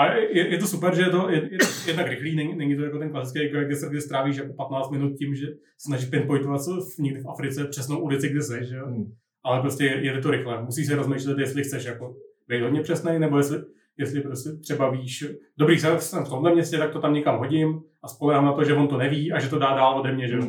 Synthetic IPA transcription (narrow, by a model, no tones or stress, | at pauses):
ʔajɛjɛt̪osupɛɾʒɛjɛt̪ojɛjɛjɛd̪nakɾɪxliːnɛɲɪnɛɲɪt̪ojakot̪ɛnklˠasɪ̥t͡skejɪkɾojaɡdɪsɡdɪst̪ɾaːviːʃ̬jakopat̪naːt͡st̪mɪnut̪̚cɪmʒɛ | snaʒɪʃpɪnt̪̚pojt̪ovat̪sfɲɪɡdɪfafɾɪt͡sɛpr̥ɛsnowʔulɪt͡sɪɡ̚dɪsɛʒɛo | ʔalɛpɾoscʲɛjɛjɛt̪ɪt̪̬oɾɪxlɛmusiːs̬ɪɾozmejʃlɛt̪jɛst̪lɪxt͡sɛʃjako̞ | bejt̪ɦodɲɛpr̥ɛsnɛjnɛbo̞jɛslɪ | jɛslɪpɾoscʲɛt̪r̥ɛbaviːʃdobɾiːsɛlɛsɛmft̪omlɛmɲɛscɛt̪ak̚t̪ot̪amɲɛkamɦo̞ɟɪmʔaspo̞lɛɦaːmnat̪oʒɛvont̪onɛviːʔaʒɛt̪o̞daːdaːlodɛmɲɛʒɛo